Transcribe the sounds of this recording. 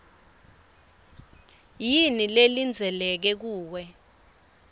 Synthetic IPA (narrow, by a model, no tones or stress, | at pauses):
jinilelind͡zʱɛlɛk̬ɛk̬uːwɛ